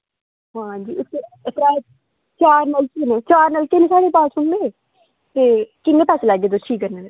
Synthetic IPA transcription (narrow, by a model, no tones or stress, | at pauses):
ɦãːd͡ʒiːʊset̪ɾaː | t͡ʃaːɾnəlkenẽt͡ʃaːɾnəlkeːnesaːɽepaːsʊɳẽe | t̪eːkɪnẽːpaːslaːɡeːd̪oʈʰiːkːəɾnene